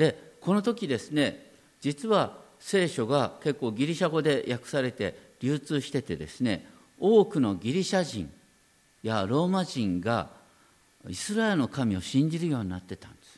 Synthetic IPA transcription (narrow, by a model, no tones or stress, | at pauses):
d̪̥e̞ko̞no̞t̪o̞kʲid̪e̞sɨne̞ | d͡ʑit͡sɨβase̞ːɕo̞ɡake̞kːo̞ːɡʲiɾʲiɕaɡo̞d̪e̞jʔakɯ̟̥saɾe̞t̪e̞ɾʲɨːt͡sɨːɕi̥t̪e̞t̪e̞d̪e̞sɨne̞̰ | o̞ːkɯ̟no̞ɡʲiɾʲiɕaʑḭ̃ŋ | jaɾo̞ːmaʑĩŋɡa | isɨɾaeɾɯ̟no̞kamʲio̞ɕĩɲ̟d͡ʑiɾɯ̟jo̞ːɲ̟inat̪ːe̞t̪ãnd̪̥esɨ̥